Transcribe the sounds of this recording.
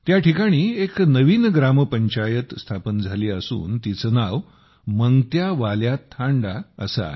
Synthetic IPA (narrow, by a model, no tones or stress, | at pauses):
t̪jaʈʰikaɽ̃iːeknəʋiːnɡɾampəɲt͡ɕajət̪st̪ʰapənd͡zʱaliːəsṵːnt̪it͡sənaʋ | məŋɡt̪jaʋaljat̪ʰːãɳɖaə̰sa̰